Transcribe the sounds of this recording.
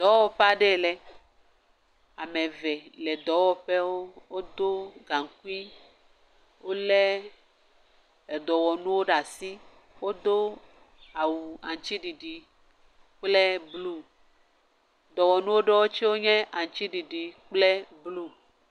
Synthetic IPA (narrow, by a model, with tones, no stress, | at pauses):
d̪ɔ˨˦wɔ˦ɸe˦a˨ɖe˦lɛ˦ | a˨me˨vɛ˨lɛ˨d̪ɔ˨˦wɔ˦ɸe˦wo˦wo˦d̪o˦ɡa˨ŋ˨k̚u˦i˦ | wo˦lɛ˦ | e˨d̪ɔ˨wɔ˨nũ˦wo˦ɖa˨si˦ | wo˦d̪o˦ | a˨wu˨a˨ŋ˨t͡ʃi˦ɖi˨ɖi˨ | k͡plɛ˦blu˦˨ | d̪ɔ˨wɔ˨nũ˦wo˦ɖe˦wo˦t͡ʃi˦wo˦ɲɛ̃˦ʔa˨ŋ˨t͡ʃi˦ɖi˨ɖi˨k͡plɛ˦blu˦